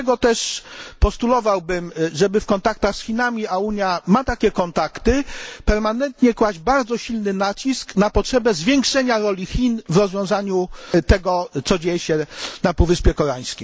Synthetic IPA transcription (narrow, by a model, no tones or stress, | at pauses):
ɛɡɔt̪ɛʂpɔst̪ulɔvawbɘmʐɛbɘfkɔnt̪ak̚t̪axsxʲinamʲiauɲjamat̪akʲɛkɔnt̪akt̪ɘpɛɾmanɛnt̪ɲɛkwad͡ʑbaɾd̪zɔɕilnɘnat͡ɕisknapɔtʂɛbɛzvʲjɛŋkʂɛɲaɾɔlʲixʲinvɾɔzvjɔ̃w̃zaɲut̪ɛɡɔt̪sɔd͡ʑejɛɕɛnapɔvɘspʲjɛkɔɾaj̃skʲim